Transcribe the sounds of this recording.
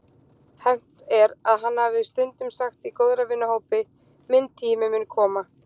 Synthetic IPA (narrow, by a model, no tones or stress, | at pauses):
hɛm̥t̪ɛɾaðɦanːhavɪst̪ʏnt̪ʏmsaxt̪ikowðɾavɪnːahowpɪ | mɪnt̪ʰiːmɪmɪnkʰɔːma